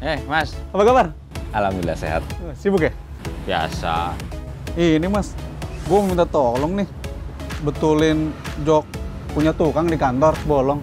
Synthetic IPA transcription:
ɛhmasabaɡabar | alamila̰sḛɦa̰t̪̚sibukɛ | bia̰sa̰ | inɪhmasɡuɛməmint̪at̪ɔlɔŋnɪh | bət̪ulɪnd͡ʒɔk̚ | puɲat̪ukaŋdikant̪ɔrbɔlɔŋ

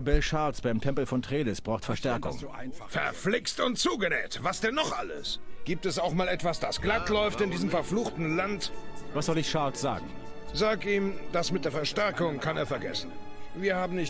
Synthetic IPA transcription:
bɛlʃaɐlsb̥aɪmtʰɛmpl̩fɔntʁ̥eːlɪsb̥ʁaʊxtfɛɐʃtɛɐkʊ̰ŋfɛ̰ɐflɪkstʊnt̚t͡suːɡənɛ̰ːtvasd̥ɛnːɔχʔa̰lə̰sɡ̥iːp̚tɛsaʊxmaːlɛtv̥asd̥asɡ̥latlɔʏftɪndiːzəmfɛɐfluːxtn̩lantvasz̥ɔlɪçʃaɐlsz̥a̰ːɡŋ̩ | zaːkiːmd̥asmɪt̚d̥eːɐfɛɐʃtɛɐkʊŋkʰaneːɐfɛɐɡɛ̰sn̩viːɐhaːbm̩nɪç

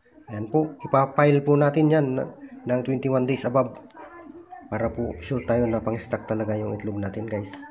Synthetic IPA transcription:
janpoʔʔɪpapajlpʊnaːt̪ɪnjan̰ːɐŋt̪wɛnt̪iwand̪ejsʔɐbab̚ | paːɾapʊʃuɾt̪aːjonɐpɐŋɪst̪ak̚t̪ɐlɐɡajʊŋʔɪt̪lʊb̚naːt̪ɪnɡajs

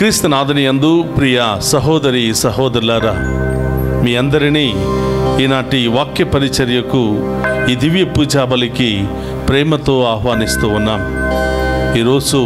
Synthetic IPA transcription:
kɾiːst̪ɐnaːd̪ʱɐnijɐnd̪upɾijɐsɐɦɔːd̪ɐɾisɐɦɔːd̪ɐɾlaːɾɐ | miːɐnd̪ɐɾiniːiːnaːʈiʋaːkːjɐpɐɾit͡ʃɐɾjɐku | iːd̪ʱiʋjɐpuːd͡ʒaːbɐliki | pɾɛːmɐt̪o̞ːaːɦʋaːnist̪uːunːɐ | iːɾoːd͡ʒu

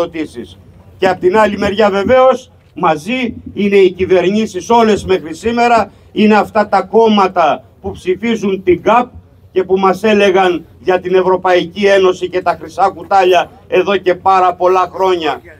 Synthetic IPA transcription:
ot̪isis | ceɐpot̪inɐlime̞ɾʝɐve̞ve̞o̞s | mɐziine̞icive̞ɾɲisiso̞le̞zme̞xɾisime̞ɾɐ | ine̞ɐft̪ɐt̪ɐko̞mɐt̪ɐpupsifizunt̪iɡɐp̚ | ce̞pumɐse̞le̞ɣɐnʝɐt̪ine̞vɾo̞pɐicie̞no̞sice̞t̪ɐxɾisɐkut̪ɐʎɐ | e̞ðo̞ce̞pɐɾɐpo̞lɐxɾo̞ɲɐ

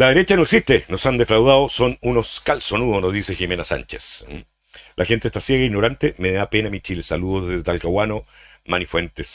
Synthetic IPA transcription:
laðeɾe̞t͡ʃanoeksist̪enosand̪e̞fɾawðaðoso̞nuno̞skalsonuðonozðiseximenasa̰nt͡ʃes | lʔaxent̪est̪asjeɣaiɣno̞ɾant̪emeðapenamit͡ʃilesaluðozðezðalkawano̞ | manifwent̪es

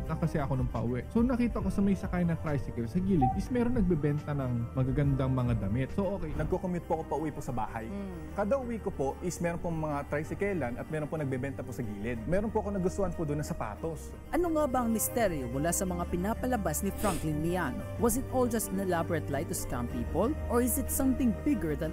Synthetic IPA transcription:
ŋɐkɐsɛʔɐko̞nɐŋpɐ̰ʔʊwɛʔsonɐkiːt̪ɐʔɐko̞sɐmɐjsɐkajnɐt̪ɾajsɪkɛlsɐɡiːlɪd̪ʔɪsmɛɾonːɐɡ̚bɛbɛnt̪ɐnɐŋmɐɡaɡɐnd̪aŋmɐŋad̪ɐmɪt̪̚soʔoːkɛjnɐɡ̚kokomjʊt̪̚poɐkopɐʔʊwiposɐba̰ːhɐj | kad̪ɐʔʊwikopo̞ʔɪsmɛɾonpoŋmɐŋat̪ɾajsɪkɛlɐnɐt̪̚mɛːɾonponɐɡ̚bɛbɛnt̪ɐposɐɡiːlɛd̪̚mɛːɾonpoɐko̞nɐɡʊst̪ʊhanpod̪onːɐsɐpa̰ːt̪o̞s | ʔɐnoŋaːbɐɐŋmɪst̪ɛɾjomʊlasɐmɐŋapɪnaːpɐlɐbasnɪfɹɐ̃ŋklɪnmɪan | wɐs̬ɪt̪ʔold͡ʒɐst̪nɛlabɹɐt̪lajt̪ɔ̥skã̰mpiːpolʔoɹɪzɪt̪sɐmθɪ̃ŋbɪɡəɹd̪ɐn

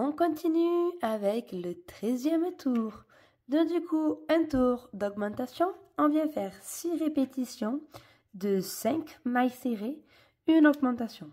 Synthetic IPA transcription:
ɔ̃kɔ̃t̪inyavɛklət̪χɛzjɛmt̪ʰuʁ | d̪ɔ̃d̪ykʰuɛ̃t̪uʁd̪ɔɡmɑ̃t̪asjɔ̃ɔ̃vjɛ̃fɛʁsiʁepet̪isjɔ̃ | d̪əsɛ̃kmajseʁe | ynɔɡmɑ̃t̪asjɔ̃

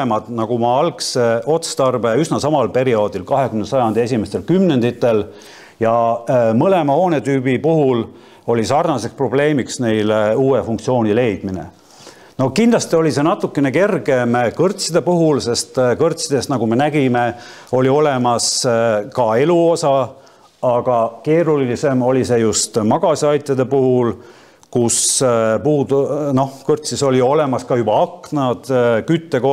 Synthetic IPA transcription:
mɑd̪nɑɡ̥umɑɑlkseʔo̞t̪st̪ɑrbeysnɑsɑmɑlpe̞ɾio̞ːd̪̥ilkɑɦe̞kymnesɑjɑnd̪̥eesʲime̞st̪e̞lkymne̞nd̪it̪ːˑe̞l | jɑmɤle̞mɑho̞ːne̞t̪yːbipuɦul | o̞lʲisɑrnɑse̞kspro̞ble̞ːmiksne̞jluːefuŋkt̪sio̞ːnʲile̞jd̪̥minḛ | no̞kind̪lɑst̪io̞lʲise̞nɑt̪ːˑukːˑeneke̞rɡe̞mkɤrt̪sid̪̥e̞puɦulse̞st̪kɤrt̪ʲsid̪̥e̞snɑɡ̥ume̞næɡime̞o̞lʲio̞le̞mɑskɑe̞luo̞sɑ | ɑɡ̥ɑke̞ːɾulise̞mo̞lʲise̞just̪mɑɡ̥ɑsɑjt̪ʲːˑjɑd̪e̞puhul | kuspuːd̪no̞hkɤrt̪siso̞lio̞le̞mɑskɑjubɑɑknɑd̪̥kyt̪ːe̞ko

